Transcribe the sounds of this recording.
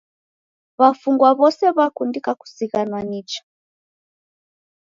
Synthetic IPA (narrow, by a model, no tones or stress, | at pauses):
βafuŋɡwaβɔsɛβakundikaku̥siɣanwanit͡ʃḁ